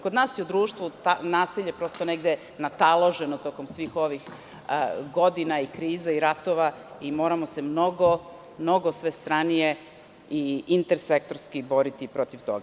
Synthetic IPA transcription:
kod̪naːsjeud̪ɾuːʃt̪ʋut̪anaːsiʎe̞pɾo̞st̪oneɡd̪e | nat̪alˠoʒe̞not̪o̞ːkomsʋiːxo̞ʋix | ɡo̞d̪inaikɾiːzaiɾat̪o̞ʋaimo̞ːɾamo̞se̞mno̞ɡo | mno̞ɡo̞sʋe̞st̪ɾanije̞ | iint̪eɾsek̚t̪oɾskibo̞ɾit̪ipɾo̞t̪iʋt̪o̰ɡa

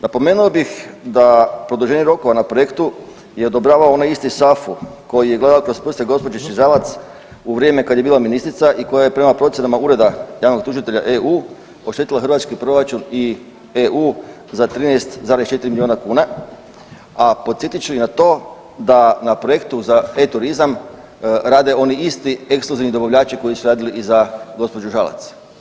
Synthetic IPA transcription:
napo̞me̞ːnuobixd̪apɾo̞d̪uʒe̞ɲeɾo̞ko̞ʋanapɾoje̞kt̪u | jeod̪o̞bɾaːʋaoonajist̪isafuko̞jijeɡlˠe̞d̪aokɾo̞spɾr̩st̪eɡo̞spo̞d͡ʒeʃiʒaːʋat̪s | uʋɾjeːme̞kad̪jebiːlˠaminist̪ɾit̪saʔiko̞jaje̞pɾe̞mapɾo̞t̪sjenamauɾe̞d̪ajaːʋno̞ɡ̚t̪uʒit̪e̞ʎaʔeuː | o̞ʃt̪et̪ilaxrʋat̪skipɾo̞ɾat͡ʃuni | euː | zat̪ɾiːnest̪zaːɾest͡ʃet̪iɾimilionakuːna | apo̞t̪sjet̪it͡ʃuinat̪o̞ː | d̪anapɾo̞je̞kt̪uzaet̪uɾizam | ɾaːd̪e̞o̞niist̪ie̞kskloziʋnid̪o̞baʋʎaːt͡ʃiko̞jisuɾaːd̪iliʔizaɡo̞spo̞d͡ʒuʒala̰t̪s

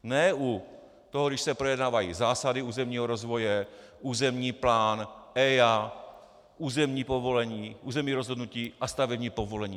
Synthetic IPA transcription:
nɛu | t̪oɦoɡdɪʃsɛpɾojɛdnaːvajiːzaːsadɪuːzɛmɲiːɦoɾo̞zvo̞jɛʔuːzɛmɲiːplaːnɛja | ʔuːzɛmɲiːpo̞vo̞lɛɲiːʔuːzɛmɲiːɾozɦodnuciːʔast̪avɛbɲiːpo̞vo̞lɛɲiː

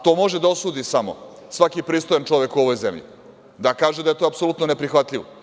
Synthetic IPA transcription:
t̪o̞ːmo̞ʒed̪ao̞suːd̪isamo̰ | sʋakipɾiːst̪o̞jant͡ʃoʋekuoʋo̞jzemʎḭ | d̪akaːʒed̪ajet̪o̞apsolˠut̪none̞pɾixʋat̪ʎʲiʋo̰

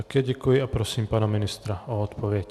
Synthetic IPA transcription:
akɛɟɛkujiapɾɔsiːmpanaminist̪ɾaɔɔt̪pɔʋɪjɛc

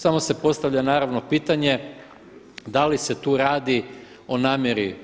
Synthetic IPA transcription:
samo̞se̞po̞st̪aʋʎanaːɾaʋno̞piːt̪aɲe̞ | d̪alise̞t̪uːɾaːd̪i | o̞naːmjeɾi

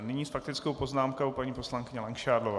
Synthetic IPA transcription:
nɪɲiːsfak̚t̪ɪt͡skowpo̞znaːmkowpaɲiːpo̞slaŋkɪɲɛlɛŋkʃaːdlov

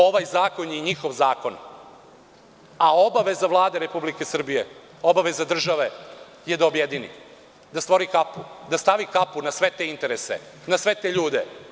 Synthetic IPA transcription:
o̞ʋajzaːko̞njeɲixo̞ʋzaːko̞n | ao̞baʋe̞zaʋlˠaːd̪eɾe̞publike̞sr̩bije | o̞baʋe̞zad̪r̩ʒaʋe̞ | jed̪aobjed̪inḭ | d̪ast̪ʋo̞ɾikapud̪ast̪aʋikapunasʋe̞t̪eint̪e̞ɾesḛ | nasʋe̞t̪eʎuːd̪e

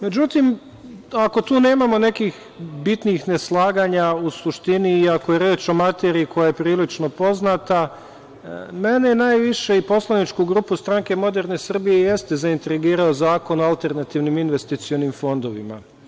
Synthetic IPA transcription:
me̞d͡ʑut̪im | ako̞t̪uːne̞ːmamo̞ne̞kix | bit̪nixne̞slˠaːɡaːɲausuʃt̪iniːako̞je̞ɾjeːt͡ʃo̞mat̪eːɾiːko̞jaje̞pɾiːlit͡ʃno̞po̞znat̪a | me̞nenaːjʋiʃe̞ipo̞slˠanit͡ʃkuɡɾuːpust̪ɾaŋke̞mo̞d̪e̞ɾne̞sr̩bijeje̞st̪e̞zaint̪ɾiɡiːɾaozaːko̞noalˠt̪e̞ɾnat̪iʋniminʋe̞st̪it̪sio̞nimfo̞nd̪o̞ʋḭma̰

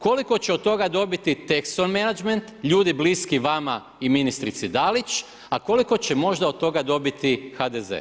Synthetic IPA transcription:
ko̞liko̞t͡ɕeot̪̚t̪ːo̞ɡad̪o̞bit̪it̪ekst̪onmenad͡ʒment̪ʎuːd̪ibliskiʋama | iminist̪ɾit̪sid̪alit͡ɕ | ako̞liko̞t͡ɕe̞mo̞ʒd̪aot̪̚t̪o̞ɡad̪o̞bit̪ixad̪ezḛ

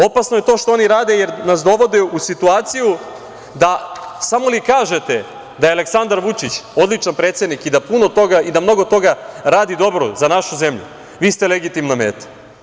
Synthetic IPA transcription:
o̞pasnoje̞t̪o̞ːʃt̪oo̞niɾaːd̪e̞jeɾnas̬d̪o̞ʋo̞d̪eusit̪uaːt̪siju | d̪asamo̞likaːʒe̞t̪e̞ | d̪ajeale̞ksand̪aɾʋut͡ʃit͡ɕo̞d̪lit͡ʃanpɾet̪sjed̪nikid̪apuno̞t̪o̞ɡaid̪amno̞ɡo̞t̪o̞ɡaɾaːd̪id̪o̞bɾo̰zanaʃuze̞mʎṵ | ʋiːst̪eleɡit̪imname̞ːt̪ḁ

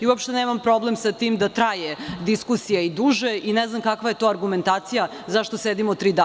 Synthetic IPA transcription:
iuopʃt̪eneːmampɾo̞blemsat̪iːmd̪at̪ɾajed̪iskusijaid̪uːʒeʔineznamkakʋajet̪o̞aɾɡume̞nt̪aːt̪sija | zaʃt̪osed̪imot̪ɾid̪a

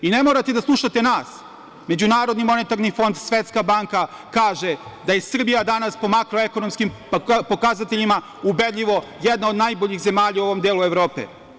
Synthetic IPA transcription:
ine̞moːɾat̪e̞d̪aslˠuʃat̪enaːs | me̞d͡ʑunaːɾod̪nimo̞net̪aɾnifo̞nd̪sʋet̪skabaŋka | kaːʒed̪ajesr̩bijad̪anaspo̞makɾo̞eko̞no̞mskim | po̞kazat̪e̞ʎima | ube̞d̪ʎʲiʋo̞jed̪naod̪najboʎixze̞maːʎauo̞ʋo̞md̪eːlˠuevɾo̞ːpḛ

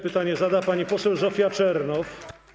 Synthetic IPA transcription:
pɘt̪aɲɛzad̪apaɲipɔsɛwzɔfʲjat͡ʂɛɾnɔf

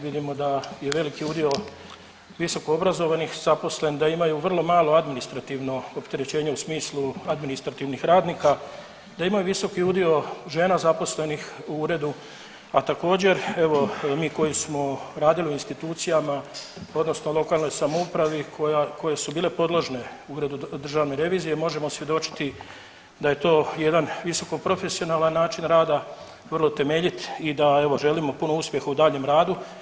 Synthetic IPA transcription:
ʋid̪imo̞d̪aje̞ʋe̞likiud̪io̞ | ʋiso̞koobɾazo̞ʋanixzapo̞sle̞nid̪aimajuʋr̩lˠo̞maːlo̞ad̪minist̪ɾat̪iʋno̞opt̪e̞ɾe̞t͡ɕe̞ːɲeusmiːslˠuad̪minist̪ɾat̪iʋnixɾaːd̪niːka | d̪aimajuʋiso̞kiud̪io̞ʒe̞ːnazapo̞sle̞nixuuɾe̞d̪u | at̪ako̞ːd͡ʑe̞ɾe̞ʋo̞miːko̞jismo̞ɾaːd̪ilioinst̪it̪uːt̪sijamao̞d̪no̞snolˠo̞kaːlˠno̞jsamoupɾaʋikoako̞je̞subiːle̞po̞d̪lˠoʒne̞uuːɾe̞d̪ud̪r̩ʒaːʋne̞ɾe̞ʋiːzije̞mo̞ʒe̞mo̞sʋje̞d̪o̞t͡ʃi̥t̪i | d̪aje̞t̪o̞ːje̞d̪anʋiso̞ko̞pɾo̞fe̞sio̞naːlˠanːaːt͡ʃinɾaːd̪a | ʋr̩lot̪e̞me̞ːʎit̪id̪ae̞ʋo̞ʒe̞limo̞puno̞uspje̞xaud̪aːʎe̞mɾaːd̪u

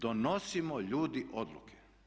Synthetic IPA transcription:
d̪onosimoʎuːd̪iʔod̪lṵkʰe̥

